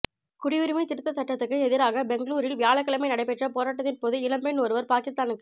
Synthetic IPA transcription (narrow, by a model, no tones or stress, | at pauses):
kʊɽɪʋɯɾɯmɐɪt̪ɪɾɯt̪ːɐsɐʈːɐt̪ːɯkːɯɛðɪɾaːɣɐbɛŋɡɭuːɾɪlʋɪjaːɭɐkːɐɭɐmɐɪnɐɽɐɪpɛʈrɐpoːɾaːʈ̬ːɐt̪ːɪnpoːðɯɪlɐmbɐɪnoːɾɯʋɐɾpaːkɪst̪aːnɯkːɯ